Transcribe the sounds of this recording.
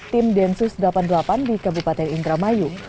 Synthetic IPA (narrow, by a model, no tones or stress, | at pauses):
t̪ɪmdɛnsusdlapandəlapandikabupat̪ɛnind̪ɾamaju